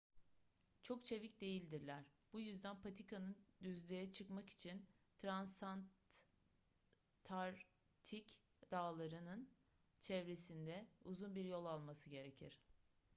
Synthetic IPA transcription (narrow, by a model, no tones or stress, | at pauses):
t͡ʃʰo̞kt͡ʃʰe̞vic̚d̪e̞jilʲd̪iɾlʲæɾ̥b̥ujyzd̪ænpʰat̪ʰikʰanɯnd̪yzlʲejɛt͡ʃʰɯkmaki̥t͡ʃʰin | t̪ʰɾansant̪ | t̪ʰaɾ | t̪ʰic | d̪̥aːlˠaɾɯnɯn | t͡ʃʰɛvɾe̞sind̪ɛuzunbiɾjo̞lˠalˠmasɯɟe̞ɾe̞cʰiɾ̥